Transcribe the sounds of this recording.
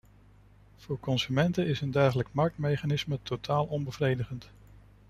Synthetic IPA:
v̥ʊːɹkɔnsymɛntəɪsəndɛɹχələkmɑɹk̚tmejχanɪsmətʰotʰaːlˠʔɔnbəvrejdəχənt

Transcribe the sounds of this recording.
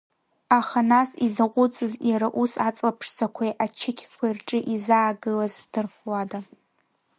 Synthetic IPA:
aχanasizaqʷʼʊt͡sʼɨzjaɾaʔusat͡sʼlapʰʂt͡sʷʰakʷʰajʔat͡ʃʰɪkʲʰkʷʰairʈ͡ʂʼɨʔizaːɡɨlazdɨrχlada

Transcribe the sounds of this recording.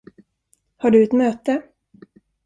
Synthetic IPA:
haɖɵɛt̪møːt̪ə

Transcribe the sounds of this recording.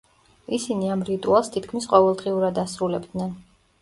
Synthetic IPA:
isiniamɾit̪ʼualˠst̪ʰit̪̚ʰkʰmisqʼɔvɛlˠd̪ʁiuɾad̪asɾulɛbd̪nɛn

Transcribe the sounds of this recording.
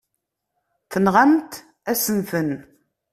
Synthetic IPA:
θənʁamt̪ | æsənθən

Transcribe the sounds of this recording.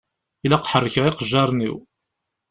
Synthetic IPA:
ilæqħərˤːəçəʁɪqəʒːɑɾˤnḭw

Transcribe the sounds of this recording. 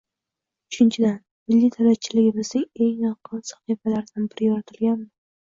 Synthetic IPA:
ʊt͡ʃʰɪnt͡ʃʰɪd̪an | mɪlːit̪ʰalat͡ʃʰɪlɪɡʲɪbɪzd̪ɪŋe̞ŋjɒqʰɨnsḁχifalaɾd̪anbɪɾɪjɒɾat̪ʰɪlɡʲanɪ

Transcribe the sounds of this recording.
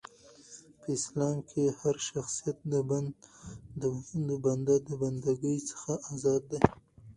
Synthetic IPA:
pəɪslɑmkʰehaɾʃaxsijat̪̚d̪əband̪əund̪oband̪ad̪əband̪aɡəjt͡sə̥xaʔazɑd̪ːaj

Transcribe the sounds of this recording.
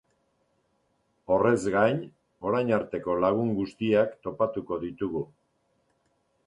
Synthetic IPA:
o̞re̞zɡajn | o̞ɾajnaɾt̪e̞ko̞laɣ̞uŋɡust̪iakt̪o̞pat̪uko̞ðit̪uɣu

